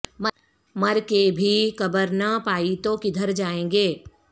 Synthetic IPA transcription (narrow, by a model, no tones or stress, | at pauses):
m | mɐɾkebʱikɐbəɾnɐpaːit̪okɪd̪ʱəɾd͡ʒaːẽːɡeː